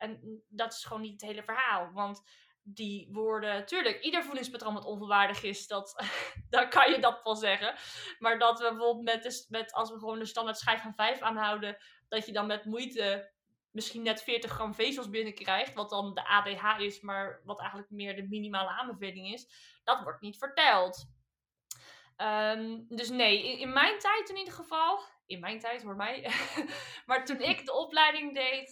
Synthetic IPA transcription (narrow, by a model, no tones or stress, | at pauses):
ʔɛndɑtɪ̥sχʋownːitətɦejləvəɹɦaːlˠʋɑnt | diʋʊːɹdətyːɹləkidəɹvulɪŋspatrownʋɑtɔnvəlˠʋaːɹdəχɪsdɑtdɔkɑnjədɑtʋɛlˠzɛχəmaːɹdɑtʋəbəvɔlˠmɛt̚əsmɛtʰɑ̰lˠsʋəχəʋowndəstɑndatsχɛjffɑnvɛjfaːnɦʌwdə | d̥ɑtjədɑnmɛtmujtə | mɪsχinːɛtfɪːɹtəχrɑmvejsəlˠsbɪnəkrɛjχtʋɑt̚dɑndəʔaːdejɦaːɪsmaːɹʋɑtɛjχəntləkmɪːɹdəminimaːləaːmbəvejlɪŋɪs | d̥ɑtʋɔɹtnitfəɹtɛlˠt | əmdɵs̬nejɪɪnmɛjntɛjtɪnidəɹχəvɑlˠ | ɪnmɛjntɛjtɦʊːɹmɛj | maːɹtunɪkdəɔplɛjdɪŋdejt